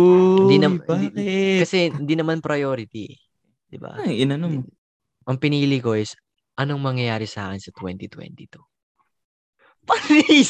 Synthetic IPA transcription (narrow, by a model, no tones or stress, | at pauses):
ɪnd̪inɐm | kɐsɛnd̪inɐmanpɾɐjoːɾɪt̪i | d̪̥ɪba̰ɪnɐnom | ʔɐŋpɪniːliko̞ʔɪs | ʔɐnoŋmɐŋjɐjaːɾɪsaːkɪnsɐt̪wɛnt̪it̪wɛ̰nt̪it̪u | pɐlii